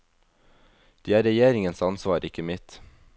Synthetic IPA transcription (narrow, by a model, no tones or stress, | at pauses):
d̪̥iːæːɾɛjeːɾɪŋənsɑnsʋɑːɾɪkəmɪt̪